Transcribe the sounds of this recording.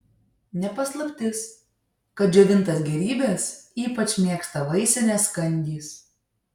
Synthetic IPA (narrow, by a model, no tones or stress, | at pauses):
nʲɛpɐslˠɐpʲt̪ʲɪs | kɐt̪̚d͡ʒʲuːʋʲɪnˑt̪ɐsɡʲɛɾʲiːbʲesiːpɐt͡ʃʲmʲeɛkst̪ɐʋɐɪsʲɛnʲɛskɐnʲd̪ʲiːs